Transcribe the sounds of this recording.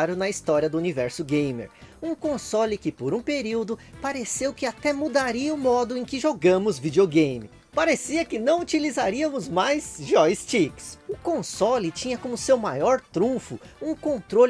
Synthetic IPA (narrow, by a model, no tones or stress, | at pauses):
ɾʊnɐist̪ɔɾiɐd̪ʊunivɛɾsʊɡẽj̃mḛɾũkõsɔlɪkɪpoɾũpeɾiwd̪ʊpaɾesewkɪat̪ɛmud̪aɾiɐʊmɔd̪ʊẽj̃kɪʒoɡɐ̃mʊzvid͡ʒioɡẽj̃mɪ̰ | paɾesiɐkɪnɐ̃w̃ut͡ʃilizaɾiɐmʊzmajzʒɔɪst͡ʃiksʊkõsɔlɪt͡ʃĩɲɐkõmʊsewmajɔɾt̪ɾũfʊũkõnt̪ɾol